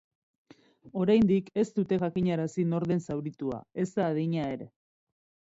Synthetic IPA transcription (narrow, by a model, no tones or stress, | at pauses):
o̞ɾajnd̪ike̞st̪ut̪e̞ʝakiɲaɾasino̞ɾðe̞nsawɾit̪ua̰e̞zd̪aːð̞iɲae̞ɾe̞